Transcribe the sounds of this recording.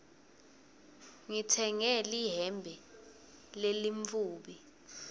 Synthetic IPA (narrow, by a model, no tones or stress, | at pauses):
ŋitʰɛŋɛliɦɛmbʱɛ | leliɱfuːɓi